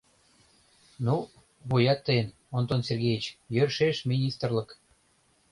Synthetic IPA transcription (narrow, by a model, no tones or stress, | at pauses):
nu | βujɑt̪ːəjən | ont̪onsʲerɣejit͡ɕjørʃeʃmʲinʲist̪rlək